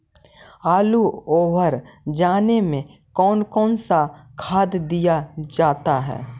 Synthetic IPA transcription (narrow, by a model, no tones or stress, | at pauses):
aːluoːʋəɾd͡ʒaːnemẽkɔːnkɔːnsakʰaːd̪d̪ijad͡ʒaːt̪aɦɛ̰ː